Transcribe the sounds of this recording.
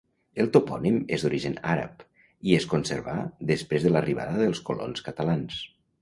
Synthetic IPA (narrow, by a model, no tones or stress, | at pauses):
əlˠt̪upɔnimezd̪uɾiʒənaɾə̰p | ieskonsəɾβaðəspɾezðələriβa̰ðəðəlˠskolo̰nskət̪əlans